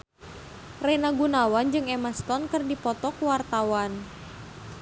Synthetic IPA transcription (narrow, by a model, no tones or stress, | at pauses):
rɛnaɡunawand͡ʒɨŋɛmast̪ɔnkɨrdipɔt̪ɔkuwart̪awan